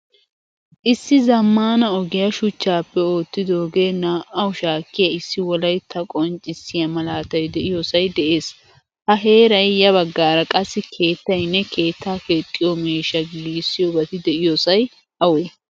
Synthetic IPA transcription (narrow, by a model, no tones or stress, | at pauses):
ʔɪsːɪzɐmːaːnɐɔɡɪjɐʃʊt͡ʃːaːpːɛoːt̪ːɪd̪oːɡe̞ːnːaːwʊʃaːkːɪjɐɪsːɪwɔlɐjt̪ʰɐkʼɔnt͡ʃʼɪsɪjɐmɐlaːt̪ɐjd̪ɛʔɪjɔsɐjd̪ɛʔe̞ːs | hɐɦe̞ːɾɐjjɐβɐɡːaːɾɐkʼɐsːɪkʰe̞ːt̪ːɐjnːɛke̞ːt̪ːaːke̞ːt̪ʼːɪjɔmeːʃɐɡɪliːsːɪjobɐt̪ɪd̪ɛʔɪjosɐj | ɐweː